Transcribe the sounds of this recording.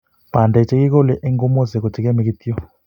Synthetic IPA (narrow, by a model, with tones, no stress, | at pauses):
b̥a˨nda˨t͡ʃɛ˦ki˦kɔ˦lɛ˨ʔɛ˦ŋɡɔ˦mɔ˦zɛ˨kɔ˨t͡ʃɛ˦kɛ˦mɛ˨ki˦t̪i˦ɔ˦˨